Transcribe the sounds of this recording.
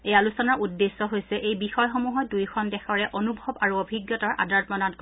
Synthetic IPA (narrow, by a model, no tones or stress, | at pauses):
ejalusɔnaɹʔudːesːɔɦojsɛʔejbixɔjxomuɦɔdujkʰɔndɛxɔɹɛʔonubʱɔbaɹuobʱiɡjɔtaɹʔa̰daɹtmɔnatk